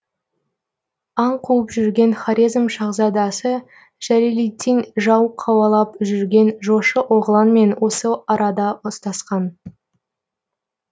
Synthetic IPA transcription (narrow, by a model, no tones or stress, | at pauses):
ɑɴqʰuwəpʒʏɾɡʲe̞nχaɾʲizmʃɑʁzɑd̪ɑsə | ʒ̥æɾilijt̪ʰːinʒɑwqʰɑwɑlˠɑpʒʏɾɡʲe̞nʒo̞ʃəʔoʁəlˠɑnme̞nwʔo̞səɑɾɑd̪ɑost̪ɑsqɑn